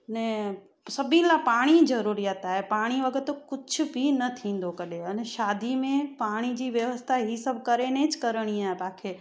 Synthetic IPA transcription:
nɛ̃ | sɐbʱilapaːɽ̃izɐɾuːɾijaːt̪aːɦepaːɽ̃iʋɐɡət̪kʊd͡ʑʱʊ̆bʱinɐt̪ʰĩːn̆d̪okɐɗeɐnɛʃaːd̪ʱimẽpaːɽ̃id͡ʑiːʋjɐʋəst̪ʰaɦisɐbʱkɐɾenẽt͡ɕɪ̥kɐɾəɽ̃iaːɦepaːkʰeː

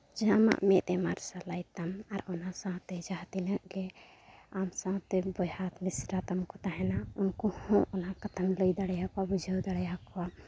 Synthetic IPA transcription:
d͡ʒama̰ʔmet̪emaɾsalajt̪amaɾɔnasãɦt̪ed͡ʒaɦt̪inəkɡe | amsãɦt̪ebɔjhat̪misɾat̪əmkot̪aɦɛnaunkohõʔɔnɦakət̪ʰəmləjd̪əɽjakabud͡ʒʱəwd̪əɽjakwa

